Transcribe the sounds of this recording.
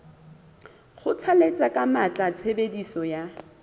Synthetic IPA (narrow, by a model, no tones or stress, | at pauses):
χʊt͡sʰalet͡sʼakʼamat͡ɬʼat͡sʰebedisɔja